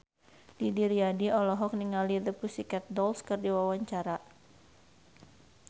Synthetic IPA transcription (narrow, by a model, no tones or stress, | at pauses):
didiɾiadiɔlɔɦɔk̚niŋalid̪əpusikɛt̪̚dɔlskɨrdiwawaɲt͡ʃaɾa